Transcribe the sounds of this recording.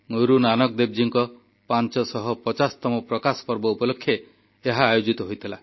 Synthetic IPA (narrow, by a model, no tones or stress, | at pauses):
ŋoɾunanɔk̚d̪eb̚d͡ʒiŋkɔ | pant͡ʃɔsɔɦɔpɔt͡ʃast̪ɔmɔpɾɔkasɔ̥pɔɾbɔupɔlokʰːjeː | ɦaːjod͡ʒit̪ɔɦojt̪ʰila